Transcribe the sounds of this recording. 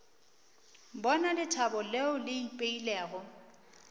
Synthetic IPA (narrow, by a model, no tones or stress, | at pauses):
bɔnalɪtʰabɔleʊlɪipʼeilɛːɣɔ